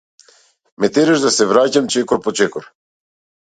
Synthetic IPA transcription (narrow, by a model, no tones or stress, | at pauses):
mɛt̪ɛɾɛʒd̪asɛvɾacamt͡ʃɛkɔɾpɔt͡ʃɛkɔɾ